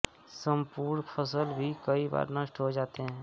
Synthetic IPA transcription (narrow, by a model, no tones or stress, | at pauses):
səmpuːɾɳpʰəs̬əlbʱikəiba̰ːɾnəʃʈɦod͡ʒaːt̪eɦɛ̃ː